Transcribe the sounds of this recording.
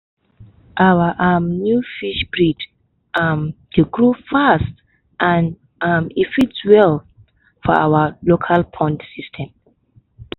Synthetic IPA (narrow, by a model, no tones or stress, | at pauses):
ʔawəʔamnjufiʃbɹid | amd̥eɡɹufast | ʔãn | ʔamifitswɛl | fɔa̰walokʰalpʰɔ̃ndsistʰɛ̃m